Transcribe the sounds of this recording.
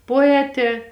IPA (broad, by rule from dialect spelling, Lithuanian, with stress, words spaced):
poːˈæːtʲeː